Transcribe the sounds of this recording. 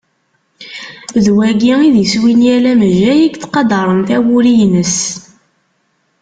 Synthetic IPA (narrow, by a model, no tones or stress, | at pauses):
ðwæɡiiðjəswinjælæmæʒæjiɡt͡sːqɑd̪ɑɾˤənθæwʊɾijnəs